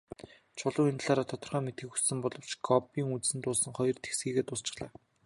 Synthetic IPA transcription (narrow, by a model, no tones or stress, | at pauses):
t͡ɕʰʊɮʊ̆ːŋint̪̆ɮaːɾaːt̪ʰɔt̪ɞ̆rχœːmet̪ɡɘ̆xu̥ssɘ̆mpɔɮɞ̆w̥t͡ɕɡɔpiːŋut͡ssɘ̆nt̪ʊːsə̆ŋχɔjɞ̆rt̪ʰe̥xsɡiːɣeːt̪ʊst͡ɕɪ̥̆χɮaː